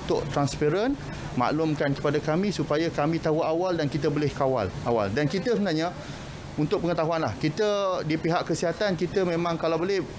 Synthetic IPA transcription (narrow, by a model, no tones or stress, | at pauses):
t̪ʊ̰ʔt̪ɾanspeɾən | ma̰ʔlʊmkankə̥padakamĩsupajakamĩt̪aɦuʔawaldankit̪əbolɪhkawa̰lʔawa̰ldankit̪əsənaɲa | unt̪ʊʔ̚pəŋət̪aɦuanlahkit̪ədipiɦaʔkəsiɦat̪ankit̪əmẽmãŋkalawbolɛh